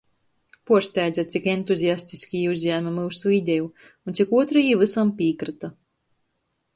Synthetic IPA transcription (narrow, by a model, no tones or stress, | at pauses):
puɔɾsʲt̪ʲæjd̪zat̪sikent̪uzʲijast̪iskʲijuzɲæːmamuːsuid̪ʲɛju | unt̪sikuɔt̪ɾajivɨsampiːkɾɨt̪a